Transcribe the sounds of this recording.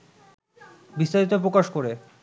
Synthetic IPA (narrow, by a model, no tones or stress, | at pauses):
bist̪aɾit̪̬op̬ɾokaʃkoɾe